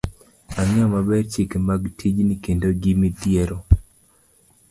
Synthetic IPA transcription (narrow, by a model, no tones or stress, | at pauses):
aɲamabɛrt͡ʃikmaɡtʰid͡ʒnikendoɡimid̪jeɾo